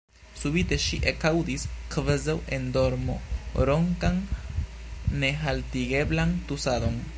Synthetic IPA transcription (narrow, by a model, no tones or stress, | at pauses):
subite̞ʃiʔekawdiskvazawendo̞ɾmo̞̰ɾo̞ŋkan | e̞ɦaltiɡe̞blant̪usado̞n